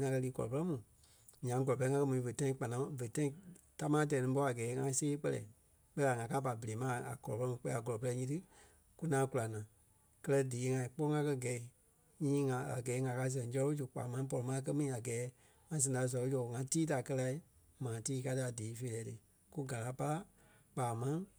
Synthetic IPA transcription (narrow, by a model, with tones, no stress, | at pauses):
ŋã˧kɜ˧liː˧˦kɔ̰˨lɔ̰˨pɜ˦lɛ˦mũ˨ | ɲã˨ŋ˦ɡɔ˨lɔ˨pɛ˧ɛ˦ŋã˧kɜ˦mũ˨ĩ˨˧və˨tã˧˦ĩ˧˦k͡pa˨nã˨˦və˨tã˦ĩ˧ta˦mãː˦t̬ɛ˨nĩ˧˦p̬ɔ˧˦a˨ɡɛː˨˦ŋã˧˦seː˦k͡pɜ˧lɛ̰˨ | ɓɛ˦a˨ŋã˨˧ka˦pa˨bə˨le˨˦mã˦a̰˨kɔ˨lɔ˨ɜ˦lɛ˦mũ˨˦k͡pɛ˧˦a˨ɡɔ˨ɔ˨pɜ˧lɛ˧˦ɲĩ˧˦tɨ˦ | ku˦nãː˨˦ku˧la˨nã˨ | kɜ˦lɜ˧diː˨˦ŋã˧ĩ˨˦k͡pɔ˦ŋã˧kɜ˧ɡɛ˨i˨ | ɲĩː˦ŋã˧a̰˨ɡɛː˨˦ŋã˨˧ka˧˦s̬ɛ̃˨˦d͡ʒɔ˧ɔ˦su˨k͡pa̰ː˨mã˦p̬ɔ˧lɔ˨mã˦k̬ɜ˦mĩ˦ĩ˨a˨ɡɛː˨˦ | ŋã˧s̬ɛ̃˧˨da˧˦˨s̬ɔ˨˦d͡ʒɔ˨ŋã˧tiː˦ta˨kɜ˧la˧i˦ | mãː˨tiː˦ka˧˦tɨ˧a˨diː˨˦fe˧˨lɛː˨˦tɨ˧ | ku˦ɡa˨la˨˦pa˦la˦ | k͡paː˨mã˦